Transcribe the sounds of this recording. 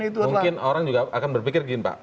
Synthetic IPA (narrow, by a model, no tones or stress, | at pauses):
it̪umuŋkɪnoɾaŋd͡ʒuɡaakanbərpikɪrɡinpa̰ʔ